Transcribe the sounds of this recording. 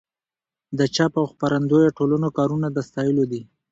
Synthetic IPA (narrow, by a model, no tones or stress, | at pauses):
d̪ət͡ʃapawxpaɾand̪ojoʈolanokɑɾunad̪əst̪ɑjəlod̪i